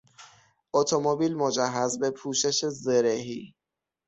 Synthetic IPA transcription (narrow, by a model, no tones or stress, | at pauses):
ʔot̪ʰomobiːlmod͡ʒæɦːæzbe̞pʰuːʃe̞ʃe̞zeɾeɦiː